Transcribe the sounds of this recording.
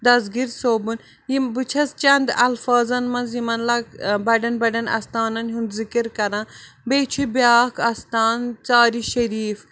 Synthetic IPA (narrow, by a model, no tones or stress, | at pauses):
d̪ɐzɡiɾsoːbun | jimbɨt͡ʃʰɐst͡ʃɐnd̪ɐlfaːzɐnmɐnzjimɐnlɐkbɐɖɐnbɐɖɐnɐ̰st̪aːnɐnɦund̪zikiɾkɐɾãːbeːt͡ʃʰubjaːkʰɐst̪aːnt͡saːɾiʃɐɾiːf